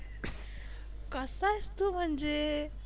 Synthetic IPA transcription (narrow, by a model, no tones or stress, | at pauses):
kəsast̪um̤əɳd͡ze